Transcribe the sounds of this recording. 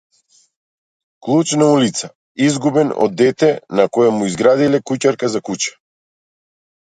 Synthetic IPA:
klˠut͡ʃnaulit̪sa | izɡubɛnɔ̰d̪ːɛt̪ɛnakɔjamuizɡɾad̪ilɛkucaɾkazakut͡ʃḁ

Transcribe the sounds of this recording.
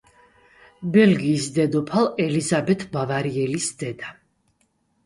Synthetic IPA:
bɛlɡiːsd̪ɛd̪ɔpʰalˠɛlizabɛt̪ʰbavaɾiɛlisd̪̥ɛd̪a

